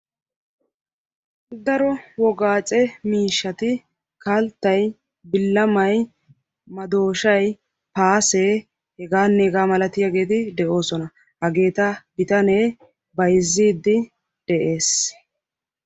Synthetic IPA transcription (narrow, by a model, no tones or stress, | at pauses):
d̪ɐɾɔwɔɡaːt͡sʼɛmiːʃːɐt̪ɪ | kɐlt̪ːɐj | bɪlːɐmɐj | mɐd̪o̞ːʃɐj | paːseː | hɛɡaːnːeːɡaːmɐlɐt̪ɪjaɡe̞ːt̪ɪd̪ɛʔo̞ːsɔnɐ | hɐɡe̞ːt̪ɐbɪt̪ɐneː | bɐjzːiːd̪ːɪ | d̪̥ɛʔe̞ːs